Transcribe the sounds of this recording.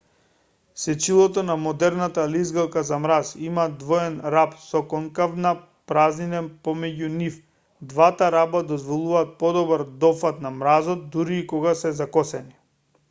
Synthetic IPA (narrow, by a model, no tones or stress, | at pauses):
sɛt͡ʃilˠɔt̪ɔnamɔd̪ɛɾnat̪alizɡalˠkazamɾasimad̪vɔɛnɾapsɔkɔŋkavna | pɾaznid̪ɛnpɔmɛɟunif | d̪vat̪aɾabad̪ɔzvɔlˠuvaːt̪̚pɔd̪ɔbaɾd̪ɔfat̪namɾazɔt̪̚d̪uɾiːkɔɡasɛzakɔsɛni